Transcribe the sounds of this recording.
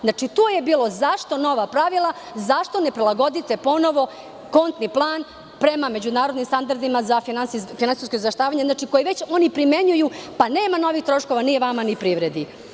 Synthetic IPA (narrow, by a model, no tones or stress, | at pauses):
znat͡ʃit̪uːje̞biːlˠo̞zaʂt̪o̞no̞ʋapɾaʋilˠa | zaʃt̪o̞ne̞pɾilˠaɡo̞d̪it̪e̞po̞no̞ʋo̞ | ko̞nt̪niplˠaːn | pɾe̞mame̞d͡ʑunaːɾod̪nimst̪and̪aɾd̪imazafinansifinaniskoizʋeʃt̪aːʋaɲeznat͡ʃikojiʋet͡ɕo̞nipɾime̞ɲujupane̞ːmano̞ʋixt̪ɾo̞ʃko̞ʋanijeʋamanipɾiːʋɾed̪i